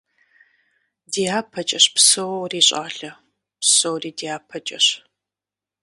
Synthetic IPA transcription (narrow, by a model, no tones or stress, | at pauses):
diːaːpʰɐt͡ʃʼɐɕpsɨwwriːɕʼa̰ːɬɐ | psowriːdiːaːpʰɐt͡ʃʼɐɕ